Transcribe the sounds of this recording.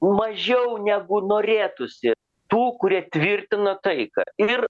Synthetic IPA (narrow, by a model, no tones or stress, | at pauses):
mɐʒʲɛʊnʲæɡʊnoːɾʲeːt̪ʊsʲɪ | t̪uːkʊɾʲiɛt̪ʲʋʲɪrʲt̪ʲɪnot̪ɐɪkɐ̰ɪr